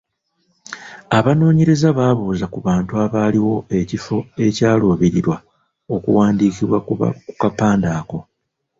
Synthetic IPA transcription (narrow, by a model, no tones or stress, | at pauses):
aβano̞ːɲeɾe̞zaβaːβuːzakuβaːntuaβaːliwo̞e̞cifo̞e̞caːlo̞ːβiɾiɾwa | o̞kṵwaːndiːkiβwa̰ku̥kapaːndaːko̞